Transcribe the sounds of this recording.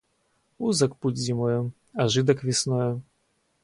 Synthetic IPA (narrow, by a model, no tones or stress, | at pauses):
uzɐkput͡sʲzʲimɔjɛ | ɐʐɨd̪ɐkvʲisnɔjɛ